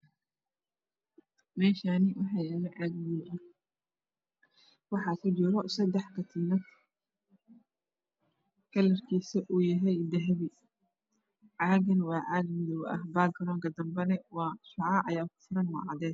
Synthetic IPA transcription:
mɛːʃaːnɪwɑħɑjaːlɛʕɑːɡmɪjin | wɑħɑkʰɐd͡ʒɪɾɔsɐd̪ɛħkʰɐt̪ʰiːnɐ | kʰɐlɐrkʰiːsɐʔuːjɐɦɛjd̪ɐɦβɪ | ʕɑːɣɐnwɑːʕɑːɡmɪðɔwɐ̰hbaːɡɐɾɔːŋkɐd̪ɐmbɛnɛwɑːʃɑʕɑʔɐjaːkʰʊ̥fʊɾɐnwɔ̰ːʕɑ̰ðɛːd̪̚

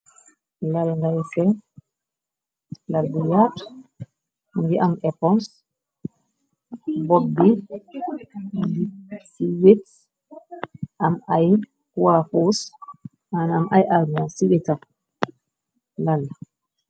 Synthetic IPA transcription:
lalŋɡajɛsɛ | laldijat | ŋɡiʔamɛpɔns | bɔdːi | disiwit | ʔamʔaj | kuwafos | anaːmʔajʔalmasiwɛta | lal

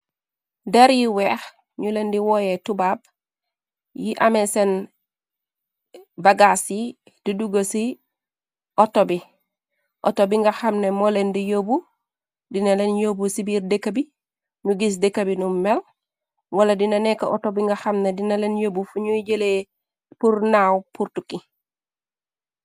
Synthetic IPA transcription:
deɾjiwex | ɲulendiwojetubab̚ | jiʔamesen | baɡasi | d̥iduɡosi | ʔotobi | ʔo̰tobiŋɡaxamnemolendijobu | dinalenjobusibiːɾdekabi | nuɡis̬dekabinumel | waladinanekaʔotobiŋɡaxamnedinalenjoːbufuɲoɟele | puɾnaːwpuɾtuki

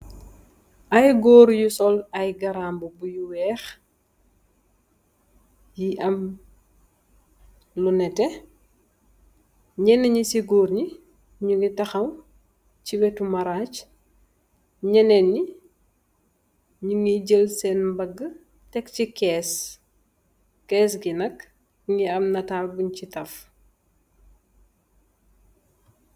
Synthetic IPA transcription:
ʔɐjɡɔːɾjusɔlɐjɡɐɾaːmbubujuwɛːx | jiʔɐm | lunɛtɛ | ɲɛnːəɲisiɡɔːrɲi | ɲuŋɡitɐxɐm | t͡ʃiwɛtumɐɾaːc | ɲɛnɛnːi | ɲuŋiɟəlsɛnmbɐɡːə | tɛkcikɛːs | kɛːs̬ɡinɐk | ŋiɐmnɐtaːlbuɲcitɐf

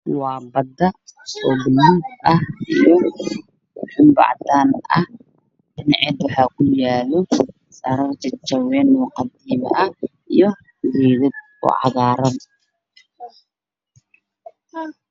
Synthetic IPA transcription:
wɑːbɐd̪ɐɔbʊlud̪ɐhʔijɔ | ħʊmbɑ̰ʕd̪aːnɐh | ɖ̥ɪnɑʕɛd̪wɑħɑːkʰʊjaːlɔ | sɐɾɐrt͡ʃɐt͡ʃɐwɛːnːuːqɑd̪iːm̰ʔɐ | ijɔ | ɡiːðɪd̪̚ | ʊ̰ʕɑ̰ðaːɾɐn

